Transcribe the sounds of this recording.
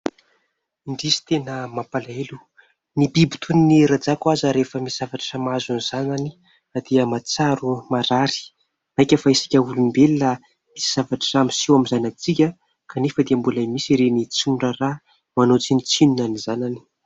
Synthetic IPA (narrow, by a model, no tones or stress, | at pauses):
iɳɖ͡ʐisi̥t̪enəmapalaelu̥ | nibibu̥t̪ʰuniniɾad͡zakwazəɾefəmisz̥avaʈ͡ʂḁʈ͡ʂamazuniz̥anani | ad̪̥iəmat͡saɾumaɾaɾi̥ | ajkʲəfaisi̥kʲəulumimbelila | misi̥z̥avaʈ͡ʂi̥ramisiwamizanat͡sikʲə | kanefəd̪iəmbulajmisiɾenit͡suɳɖ͡ʐəra | manot͡sinit͡sinunanizanani̥